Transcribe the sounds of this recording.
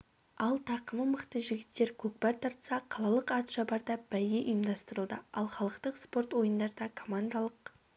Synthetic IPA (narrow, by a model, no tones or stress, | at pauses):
ɑlˠt̪ʰɑqəməməqt̪əʒɪɡʲɪt̪ːe̞ɾkʲʰɵk̚pɑɾt̪ʰɑɾt̪əsɑqʰɑlˠɑlˠəqɑt̪ʒɑbɑɾd̪ɑb̥æjeʔʊjəmd̪ɑst̪əɾəlˠd̪əɑlˠχɑlˠəqt̪əqspo̞rt̪wo̞jənd̪ɑɾd̪ɑkʰo̞mand̪ɑlˠəq